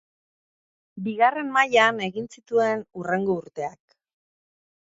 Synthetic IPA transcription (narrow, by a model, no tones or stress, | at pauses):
biɣare̞mmajane̞ɣinsit̪ue̞nure̞ŋɡo̞uɾt̪e̞ak